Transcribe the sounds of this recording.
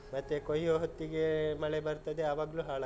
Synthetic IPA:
mɐt̪ːekojoːɦot̪ːiɡe̞mɐɭebɐɾt̪ɐd̪eaːʋaːɡluːɦaːɭɐ

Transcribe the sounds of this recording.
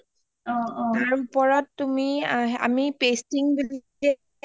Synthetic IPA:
ɔ̃ɔ̃aɹupɔɹɔtːumia̰mipestiŋbid | ɛ

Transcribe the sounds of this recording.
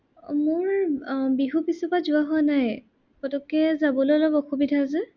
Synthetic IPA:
mʊɹbiɦupisupazʊaɦɔanaj | kɔtɔkɛzabɔlolɔbɔxubidʱazɛ

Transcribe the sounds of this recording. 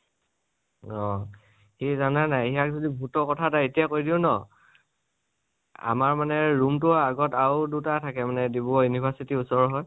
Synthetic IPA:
ɔ | xizananajijak̚zodibʱutɔkɔtʰataetijakoɹidiʊnɔ | a̰maɹmanɛɹumtʊaɡɔtawdutatʰakɛmanɛdibɔɔjunipʰaɹsitiusɔɹɦɔj

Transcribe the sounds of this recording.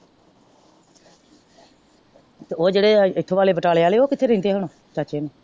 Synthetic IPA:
t̪oːd͡ʒeːɽeːɪt̪ʰoːʋaːleːbəʈaːleːaːleːoːkɪt̪ʰeːɾɪ̃ːnd̪eːɦəɳ̃oː | kaːt͡ʃeːno

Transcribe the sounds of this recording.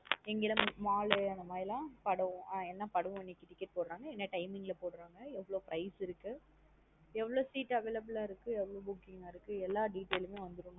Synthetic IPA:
ɛŋɡɪlɐ̃maːlɯɐnd̪ɐmaːjɪlãːpɐɽɐ̃aːɛnːɐpɐɽɐʋ̃ɐnːikːɪʈːɪkːɛʈ̚poːɽɾaːŋɡɐɛnːɐʈɐɪmɪŋɡlɐpoːɽɯɾaːŋɡɐɛʋːɐɭoːpɾɐɪsɪɾɯkːɯ | ɛʋːɐɭoːsiːʈːɐʋeːlɐbɐlaːɪɾɯkːɯɛʋːɐɭoːbʊkːɪŋɡaːɪɾɯkːɯɛlːaːɖiːʈːeːlmeːʋɐnd̪ɯɾɯn

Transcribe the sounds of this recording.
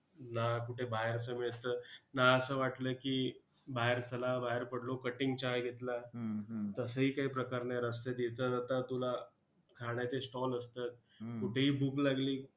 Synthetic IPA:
nakuʈʰebajəɾsəmet̪ənaəsəːʋaʈləːkiː | baɦeɾt͡səlabaɦeɾpəɽlokəʈiŋɡt͡ɕaɡʱet̪la | t̪əsəɦiːkaɦipɾəkaɾneɾəst̪ed̪et̪ət̪at̪at̪ula | kʰaɽjat͡sesʈɔləst̪at̪̚ | kuʈʰeɦiːbuklaɡliː

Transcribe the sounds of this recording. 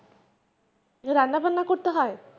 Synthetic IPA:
ɾanːabʱanːakoɾt̪eɦɔe

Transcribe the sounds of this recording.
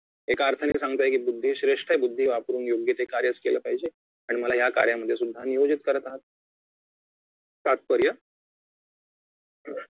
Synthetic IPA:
ekaːɾt̪ʰənisãŋɡt̪aɦekibud̪ʱːiːɕɾeʂʈʰəɦebud̪ʱːiʋapɾuːnjoɡjət̪ekaɾjət͡skeləpaɦid͡ʑe | aɽ̃iməlaɦjaka̰ɾjaməd̪ʱːjesud̪ʱːanijod͡ʑit̪kəɾət̪aɦət̪̚ | t̪at̪̚pəɾjə

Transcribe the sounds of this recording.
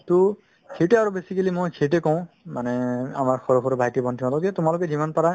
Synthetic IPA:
tu | kʰetɛaɹubesikilimojkʰetɛkɔ̃ʊ̃ | manɛa̰maɹxʰɔɹɔxʰɔɾbʱajtibʱɔntʰimatɔzɛtʊmalʊkɛzimanpaɹa

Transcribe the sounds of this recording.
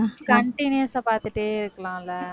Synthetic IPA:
kɐɳʈinuɐsãːpaːɾt̪ɯʈːeːɪɾɯkːɐɭãːɪlːɐ

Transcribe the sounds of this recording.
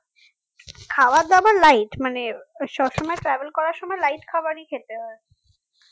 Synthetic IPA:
kʰawad̪abaɾlajʈmaneʃɔbʃɔmɔeʈɾɛbelkɔɾaɾʃɔmɔelajʈkʰabaɾikʰet̪eɔe

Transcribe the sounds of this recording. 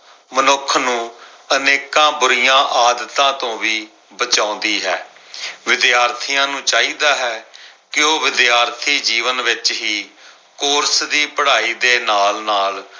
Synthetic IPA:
mənʊkʰnũː | əneːkãːbʊɾɪjãːʔaːd̪ət̪ãːt̪õːʋiː | bət͡ʃãːʊ̃ːnd̪iːɦɛ̰ːʋɪd̪jaːɾt̪ʰijãːnũːt͡ʃaːiːd̪aːɦɛːkɪoːʋɪd̪jaːɾt̪ʰiːd͡ʒiːʋənʋɪt͡ʃɦiː | kʊːɾsd̪iːpəɽaːiːd̪eːnaːlnaːl

